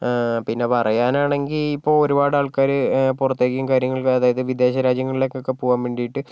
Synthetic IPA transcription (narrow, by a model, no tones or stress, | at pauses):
pinːe̞pɐrɐjaːnaːɳe̞ŋɡilipːo̞ːɭoɾubaːɽaːɭkaːɾɨpurɐt̪ːe̞ːkʲːijumkaːɾjɐŋːɐɭkɐðaːjɐðɨʋid̪e̞ːɕɐɾaːd͡ʑjɐŋːɐɭilekːokːe̞puːɣaːmʋeːɳɖijiʈːɨ